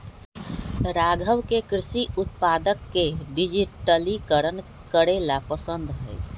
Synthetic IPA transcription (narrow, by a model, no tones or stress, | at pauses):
ɾaɡʱəwkekɾɪsiut̪̚pad̪əkːeɖid͡ʒiʈəlikəɾən | kəɾelapəsənd̪ɦɛ̰j